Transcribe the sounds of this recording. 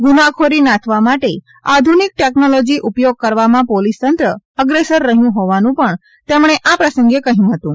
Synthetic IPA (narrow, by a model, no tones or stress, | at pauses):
ɡunakʰoɾinãt̪ʰʋamaʈe | ad̪ʱunik̚ʈeknolod͡ʒiʔupjoɡ̚kəɾʋamãpolist̪ənt̪ɾə | əɡɾesəɾːəɦijũɦɔʋanũpəɳ | t̪emɳ̃eʔapɾəsəŋɡekəɦijũɦət̪ũ